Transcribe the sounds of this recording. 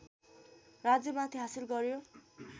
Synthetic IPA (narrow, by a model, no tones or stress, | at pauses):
rad͡zjʌmat̪ʰiɦasilɡʌɾjo